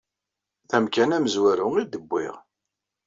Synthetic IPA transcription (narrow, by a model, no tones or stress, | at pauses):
θæmkænæməzwæɾʊŋid̪əbːɪ̰ʁ